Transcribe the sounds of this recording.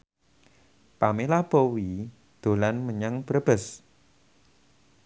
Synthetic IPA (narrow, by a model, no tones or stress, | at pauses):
pamelab̥ɔwi | d̪̥o̤lanməɲaŋb̥ɾəb̥ə̤s